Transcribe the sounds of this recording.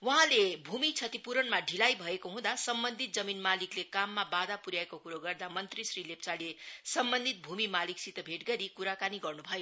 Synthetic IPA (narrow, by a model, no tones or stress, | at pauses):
wʌɦãlebʱumit͡sʰʌt̪ipuɾʌnmaɖʱilajbʱʌekoɦũd̪asʌmbʌnd̪ʱit̪̚d͡zʌminmaliklekamːabad̪apuɾjaekokuɾoɡʌrd̪amʌnt̪risrilep̚t͡salesʌmbʌnd̪ʱit̪̚bʱumimaliksit̪ʌbʱeʈɡʌɾikuɾakaniɡʌrnubʱʌjo